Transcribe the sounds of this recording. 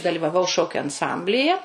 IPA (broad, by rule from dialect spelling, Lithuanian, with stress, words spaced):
dɐlʲɪʋɐˈʋɐʊ ˈʃoːkʲʊ ɐnˈsɐmʲbʲlʲɪjɛ